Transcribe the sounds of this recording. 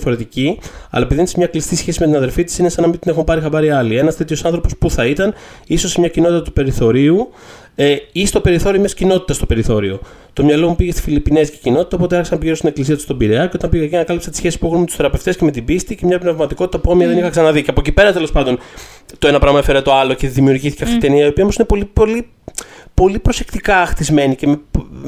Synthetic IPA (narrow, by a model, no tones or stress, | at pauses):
fo̞ɾe̞t̪iciɐ̰lɐepiðinsemɲɐklist̪isçe̞simet̪inɐðe̞ɾlfit̪i̥sinesɐnɐmind̪inexumpɐɾixɐbɐɾiɐlie̞nɐst̪e̞t̪ço̞sɐnθɾo̞po̞spuθɐit̪ɐniso̞semɲɐcinot̪it̪ɐt̪upe̞ɾiθo̞ɾiu | eist̪o̞pe̞ɾiθo̞ɾiomɐscino̞t̪it̪ɐst̪ope̞ɾiθo̞ɾio̞ | t̪o̞mɲɐlo̞mupiʝest̪i̥filipine̞zcecino̞t̪i̥t̪ɐopo̞t̪eeɾçsɐmpʝiɾot̪ine̞klisiɐt̪u̥st̪o̞biɾeɐceo̞t̪ɐmpiʝeɐcinɐkɐlipset̪isçe̞sispuexunmet̪u̥sθe̞ɾɐpeft̪esceme̞t̪ibist̪icemɲɐpnevmɐt̪iko̞t̪i̥t̪ɐpomiɐðe̞nixɐksɐnɐðiceɐpocipe̞ɾɐt̪e̞lo̞spɐnd̪o̞n | t̪oenɐpɾɐmɐefeɾɐt̪oɐlo̞ceðimiuɾʝiθi̥ceft̪it̪it̪niɐio̞piɐomosinepo̞lipoli | po̞lipɾo̞sekt̪ikɐːxt̪izme̞nice̞me